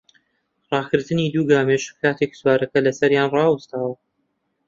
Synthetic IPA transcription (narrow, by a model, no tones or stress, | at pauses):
rˤɑːɡɨɾt̪ɨnid̪uːɡaːmeʃkʰaːt̪ʰe̞kswaːɾɐkɐlɐsɐɾjaːnrɑːwɨst̪aːwɐ